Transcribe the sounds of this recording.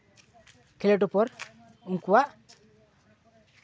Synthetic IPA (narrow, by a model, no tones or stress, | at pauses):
keleʈ̬upɔɾ | uŋkuwa